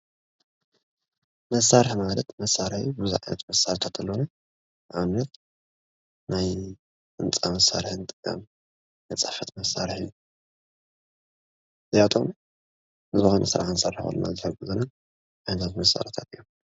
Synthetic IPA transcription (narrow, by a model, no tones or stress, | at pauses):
mɐsːaɾɨħmalɐt̪mɐsːaɾħjubɨziʕajnʔɐ̰t̪mɐsːaɾt̪ʰat̪ʰɨlːona | ʔaβɨnːɐt̪ | naj | t͡sʼɨnt͡sʼamɐsːa̰ɾħɨnɨt̪ʼɨkʼːa̰m | mɐt͡sʼafɐt̪mɐsaɾħju | zɐjat̪ʼo̰m | nɨzɨxonʔɐ̰sɨɾa̰ħansaɾħxɐ̰lːuna̰zɨħɐɡuzɐna | ʔajnɐt̪ʰat̪mɐsːa̰ɾħt̪ʰat̪ʼɨjːo